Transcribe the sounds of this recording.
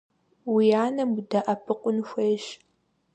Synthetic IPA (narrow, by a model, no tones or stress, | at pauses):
wijaːnɐmdɐʔɐpʰɨqʷʊnxʷejʃ